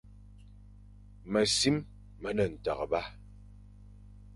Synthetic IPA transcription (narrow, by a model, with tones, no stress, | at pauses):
mə˨si˦m | mə˨˦nə˨n̩˨ta̰˨ɣə˨ba˦